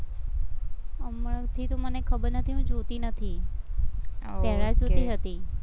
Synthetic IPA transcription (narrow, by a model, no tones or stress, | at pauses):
əməɽət̪ʰit̪omənekʰəbəɾnət̪ʰiɦũd͡ʒot̪inət̪ʰi | ɛɭad͡ʒot̪iɦət̪i